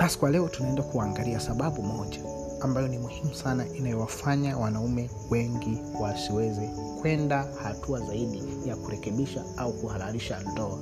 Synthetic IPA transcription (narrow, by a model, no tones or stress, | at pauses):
ɓasi̥kwalɛɔtunaɛndakuaːŋɡaliasaɓaɓumɔʄaː | mbajɔnimuhimusanaʔinajɔwafaɲawanaumɛ | wɛŋɡi | wasiwɛzɛ | kwɛndahatuazaiɗi | jakuɾɛkɛɓiʃa | aukuhalaɾiʃandɔa